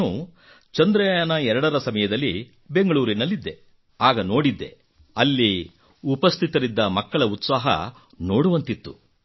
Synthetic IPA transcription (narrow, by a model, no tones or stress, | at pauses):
u | t͡ʃɐnd̪ɾɐjaːnɐɛɾɐɽɐɾɐsɐmɐjɐd̪ɐlːi | be̞ŋɡɐɭuːɾinɐlːid̪ːe | aːɡɐno̞ːɽid̪ːe̞̰ | ɐlːi | upɐst̪ʰit̪ɐɾid̪ːɐmɐkːɐɭɐut̪saːɦɐ̰ | no̞ːɽuʋɐnt̪it̪ːu